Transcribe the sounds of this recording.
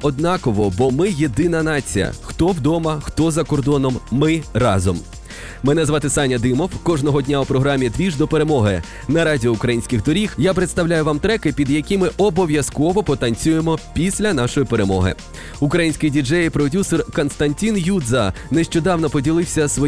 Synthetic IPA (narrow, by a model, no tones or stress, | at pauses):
ɔd̪nɑkɔʋɔbɔmɪjed̪ɪnɐnɑt͡sʲijɐ̰xt̪ɔwd̪ɔmɐxt̪ɔzɐkɔrd̪ɔnɔmːɪrɑ̰zɔm | mɛnɛzʋɑt̪ɪsɑnʲɐd̪ɪmɔwkɔʒnɔɦɔdʲnʲaupɾɔɦɾɑmʲːid̪ʋʲiʒd̪ɔpeɾe̞mɔɦɪ | nɐɾɑdʲiɔukɾɐjinʲsʲkʲɪɣd̪ɔɾʲixjapɾet̪st̪ɐwlʲajʊʋɑmt̪ɾɛkɪpʲid̪jɐkʲimɪʔɔbɔʋʲjɐskɔʋɔpɔt̪ɐnʲt͡sʲujemɔpʲisʲlʲɐn̪ɑʃɔjipeɾe̞mɔɦɪ̰ | ukɾɐjinʲsʲkɪjdʲid͡ʒɛjpɾɔdʲusɔrkɔnst̪ɐnʲtʲinjud̪zɐneʃt͡ʃɔd̪ɑwnɔpɔdʲilˠɪwsʲɐsʋɔ